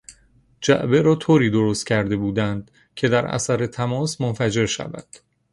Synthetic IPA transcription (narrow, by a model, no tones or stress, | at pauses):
d͡ʒæ̰ʔbe̞ɾɒːt̪ʰoːɾiːd̪oɾost̪cʰæɾd̪e̞buːd̪ænd̪ | cʰe̞d̪æɾæ̰sæɾet̪ʰæmɒːsmonfæd͡ʒe̞ɾʃæ̰væ̰d̪̥